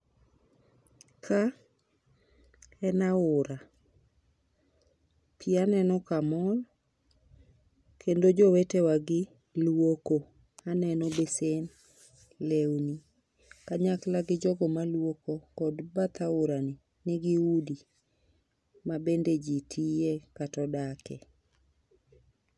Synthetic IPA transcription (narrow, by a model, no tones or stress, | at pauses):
kʰa | ɛnaʊɾa | pʰianɛnɔkamɔl | kʰendod͡ʒɔwetewaɡɪ | lwoko | anɛnɔbesen | lewni | kaɲaklaɡɪd͡ʒɔɡɔmalwokokɔdbat̪aʊɾanɪ | nɪɡɪudi | mabended͡ʒitʰijekatɔdakɛ